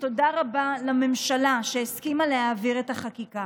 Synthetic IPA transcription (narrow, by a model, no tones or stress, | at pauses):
todaʁabalame̞mʃalaʃeeskimalehaːviʁetaχakika